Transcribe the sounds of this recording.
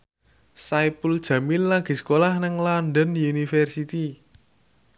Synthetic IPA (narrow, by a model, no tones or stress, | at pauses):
sajpuld̥ʒ̥ä̤milːaɡ̥i̤skolahnɪŋlanɖənunifɛrsit̪i